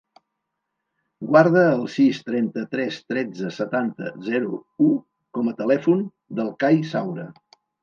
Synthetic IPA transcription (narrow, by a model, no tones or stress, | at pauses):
ɡwaɾð̞əːlˠsist̪ɾɛnt̪ət̪ɾɛst̪ɾɛd͡zəsət̪ant̪ə̰zɛɾuu | kɔmət̪əlɛfun | d̪əlˠkajsawɾə